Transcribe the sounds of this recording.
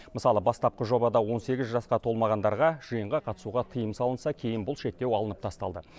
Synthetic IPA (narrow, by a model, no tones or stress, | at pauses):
məsɑlˠəbɑst̪ɑp̚qəʒo̞bɑd̪ɑwo̞nse̞ɡʲɪzʒɑsqɑt̪ʰo̞lˠmɑʁɑnd̪ɑɾʁɑʒ̥əjəɴʁɑqʰɑt̪ə̥suʁɑt̪ʰəjəmsɑlˠənsɑkʲʰe̞jɪnbʊlˠʃe̞k̚t̪ːe̞wɑlˠənəp̚t̪ʰɑst̪ɑlˠd̪ə